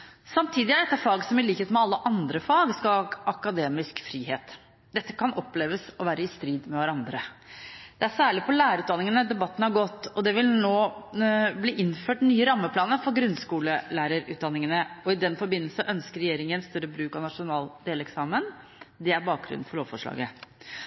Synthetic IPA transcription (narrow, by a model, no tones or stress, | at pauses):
sɑmt̪ʰiːd̪ɪæɖɛt̪ːæfɑːɡsɔmɪliːkheːt̪mɛɑlːəʔɑnd̪ɾəfɑːɡskɑɑkɑd̪eːmɪskfɾiːheːt̪ | d̪̥ɛt̪ːəkʰɑnɔpːleːʋəsɔʋæːɾəɪst̪ɾiːd̪mɛʋæɾɑnd̪ɾədd̪ɛæsæːɭɪpʰɔlæːɾəɾʉːt̪d̪ɑnɪŋənəd̪ɛbɑt̪ːn̩hɑɾɡɔt̪ːɔd̪ɛʋɪlnoː | bliːʔɪnføːʈnyːəɾɑmːəpʰlɑːnəfɔɾɡɾʉnskuːləlæːɾəɾʉ̰ːd̪ɑnːɪŋənəɔɪd̪ɛnfɔɾbɪnːəlsəʔœnskəɾɛjeːɾɪŋənst̪œɾəbɾʉːkɑnɑʂʊnɑːld̪eːlɛksɑːmən | d̪ɛæɾbɑːk̚ɡɾʉ̰nn̩fɔɭoːʋfɔʂɭɑ̰ːɡə